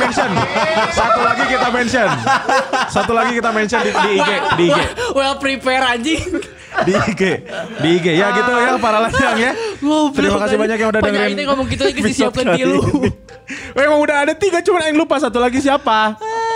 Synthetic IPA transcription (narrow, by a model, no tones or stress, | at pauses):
mɛnsɔnsat̪ulaɡikit̪amɛnsən | sat̪ulaɡikit̪amɛnsənidiːɡediːewɛlpɾipɛɾad͡ʒi | diiɡediːɡejaɡit̪ujapaɾalad͡ʒaŋjaɡoəɾimakas̬ibaɲak̬jaŋudadaŋɾɪnŋamɔŋkit̪kbisɔkilu | wɛmaŋudaɦadat̪iɡat͡ʃumanaɪŋlupas̬at̪ulaɡis̬iapa